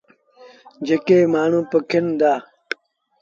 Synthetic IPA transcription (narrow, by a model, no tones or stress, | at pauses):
d͡ʑekeːmaːɳũːpəkʰind̪aː